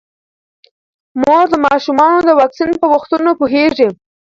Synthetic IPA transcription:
moɾd̪əmɑʃumɑnod̪əwɑksinpəwʊxt̪unopoɦeʐi

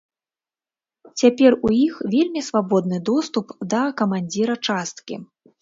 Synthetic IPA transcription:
t͡sʲapʲɛrujixvʲelʲmʲisvabɔd̪nɨd̪ɔst̪upd̪ɐkɐmanʲd͡zʲiɾɐt͡ʂast̪kʲḭ

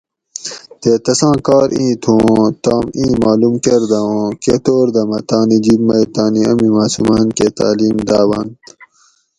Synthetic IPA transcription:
t̪et̪ɐsãːkaːɾĩːt̪ʰũːt̪aːmĩːmaːlumkeɾd̪ɐõket̪oːɾd̪ɐmɐt̪aːnid͡ʑibmɐjt̪aːniɐmimaːsumaːnket̪a̰ːliːmd̪aːwɐnt̪

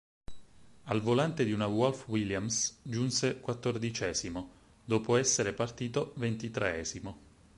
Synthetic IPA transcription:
alvolant̪ed̪iunawɔlfwiljamsd͡ʒunsekwat̪ːord̪it͡ʃɛːzimo | d̪oːpoɛsːeɾepart̪iːt̪ovent̪it̪ɾeɛːzimo

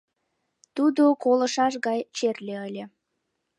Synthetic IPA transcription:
t̪ud̪okolə̆ʃɑʃ̬ɣɑjt͡ɕerlʲeəlʲe

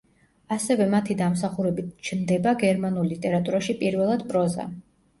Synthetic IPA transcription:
asɛvɛmat̪ʰid̪amsaχuɾɛbit̪̚ʰt͡ʃʰnd̪ɛbaɡɛɾmanulˠlit̪ʼɛɾat̪ʼuɾaʃipʼiɾvɛlˠad̪pʼɾɔza̰

